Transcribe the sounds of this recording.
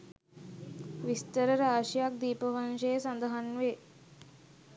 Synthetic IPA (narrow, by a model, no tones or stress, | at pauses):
ʋist̪əɾəɾaːʂijak̚d̪iːpəʋanʃejəsand̪əɦanʋe